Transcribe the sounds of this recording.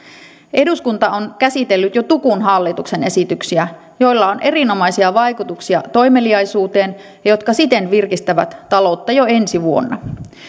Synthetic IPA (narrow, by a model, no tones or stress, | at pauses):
e̞duskunt̪ɑonkæsit̪e̞lːyt̪jo̞t̪ukunɦɑlːit̪ukse̞ne̞sit̪yksiæ | jo̞jlːɑonʔe̞ɾino̞mɑjsiɑʋɑjkut̪uksiɑt̪o̞jme̞liɑjsuːt̪e̞ːn | jɑjo̞t̪kɑsit̪e̞nʋirkist̪æʋæt̪ːɑlo̞t̪ːɑjoe̞nsiʋuo̞̰nːɑ̰